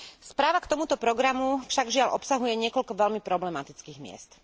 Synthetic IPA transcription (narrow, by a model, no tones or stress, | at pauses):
spɾaːʋakt̪ɔmut̪ɔpɾɔɡɾamufʃaɡvʒɪalʔɔpsaɦujɛɲɪɛkɔʎkɔʋɛlmipɾɔblɛmat̪it͡skiːɣmɪɛ̰st̪